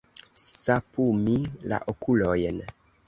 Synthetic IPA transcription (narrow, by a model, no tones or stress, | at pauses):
sapumila̰ʔokulojn